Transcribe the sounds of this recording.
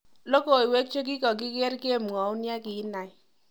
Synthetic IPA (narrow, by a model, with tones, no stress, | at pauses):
lo˦ko˨i˨we˦k̚t͡ʃo˦k̬i˦kɔ˨k̬i˦kɛ˦rke˦mŋɔ˨u˦nja˦ki˨˦na˨j